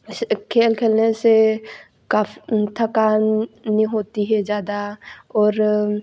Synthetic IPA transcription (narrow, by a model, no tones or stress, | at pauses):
kʰeːlkʰeːlnese | kaːft̪ʰɐkaːnːĩɦoːt̪iɦɛd͡ʒjaːd̪aɔːɾ